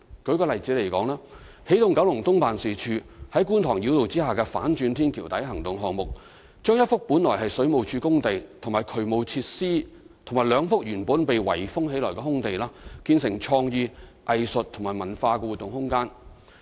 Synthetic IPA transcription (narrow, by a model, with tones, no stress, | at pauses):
kɵ˨˧ɥkɔː˧lɐ˨jt͡siː˨˥le˨˩jkɔː˨˥ŋlaː˥ | he˨˥jt̪ʊ˨ŋkɐ˨˥wlʊ˨˩ŋt̪ʊ˥ŋpaː˨nsiː˨t͡ʃʰyː˧hɐ˨˥jkuː˥nt̪ʰɔː˨˩ŋji˨˧˥wt̪o˨wt͡siː˥haː˨˩kɛː˧fa̰ː˨˥nt͡ʃyː˧nt̪ʰiː˥nkʰiː˨˩wt̪ɐ˨˥jɦɐ˨˩ŋt̪ʊ˨ŋɦɔː˨˩ŋmʊ˨k̚ | t͡ʃœː˥ŋjɐ˥t̚fʊ˥k̚puː˨˥nlɔː˨˩jɦɐ˨jsɵ˨˥ɥmo˨˩wt͡ʃʰyː˨˧kʊ˥ŋt̪e˨jt̪ʰʊ˨˩ŋmaː˨˩jkʰɵ˨˩ɥmo˨wt͡sʰiː˧t̚siː˥ | t̪ʰŋmaː˨˩jlœː˨˧ŋfʊ˥k̚jyː˨˩npuː˨˥npe˨jwɐ̰˨˩jfʊ˥ŋhe˨˥jlɔː˨˩jkɛː˧hʊ˥ŋt̪e˨jlaː˥kiː˧nsɪ˨˩ŋt͡ʃʰɔː˧ŋjiː˧ʔɐ˨jsɵ˨t̚t̪ʰŋmaː˨˩mɐ˨˩nfaː˧kɛː˧wu˨˩t̪ːʊ˨ŋhʊ˥ŋkaː˥n